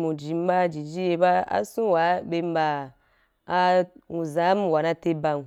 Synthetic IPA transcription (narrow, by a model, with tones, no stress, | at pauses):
mũ˨d͡ʒi˨m̩˦ba˦˨d͡ʒi˨d͡ʒi˦je˧ba˦a̰˦sũ˦wa˨˦be˧m˦baː˧˦ | ũ˨za˨˦m˦˨wa˨na˦te˦ba˧u˨